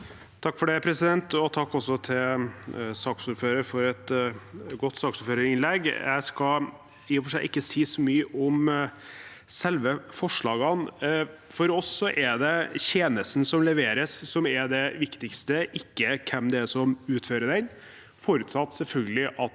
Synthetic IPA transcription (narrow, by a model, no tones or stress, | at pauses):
t̪ʰɑkːfɔɖæɪpʰɾɛsɪd̪ɛnt̪ɔt̪ʰɑkːɔsɔt̪ʰɪlsɑːksʊɾføːɾəɾfɔɾɛt̪ | ɡɔt̪ːsɑːksʊføːɾəɾɪnlɛɡjæ̰ɪskɑ | iːfɔʂɛɪʔɪkːəsiːsɔmyːəʔɔm | sɛlʋəfɔʂɭɑːɡɑn | fɔɾɔsːɔʔɛɖ̪ɛçeːnəsn̩sɔmlɛʋeːɾəsːɔmɛɖ̪ɛʋɪkt̪ɪkst̪əʔɪkːəkʰɛmd̪ɛsɔmʉːt̪føːɾəɖ̪ɛn | foːɾʉːt̪sɑt̪ːsɛlfœlɡəlɪʔɑt̪